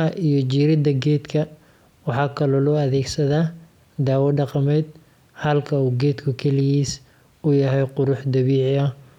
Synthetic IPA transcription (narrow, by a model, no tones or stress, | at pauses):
ɐʔijɞt͡ʃiːɾɪd̪ɐɡɛːd̪kʰɐ | wɑħɑːkʰɐlɔːlɔːɐðɛːɡsɐðaː | d̪aːwɐɖɑqɑmɛjd̪̚ | hɐlkʰɐuːɡɛːd̪kʰʊkʰɛlɪɣiːs | ʊjɐɦɛjqʊɾʊħd̪ɐβiːʕɪɐ